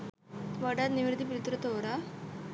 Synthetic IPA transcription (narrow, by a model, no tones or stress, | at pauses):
ʋəɽat̪niʋɾd̪ʱip̬ɾit̪ɾət̪oɾa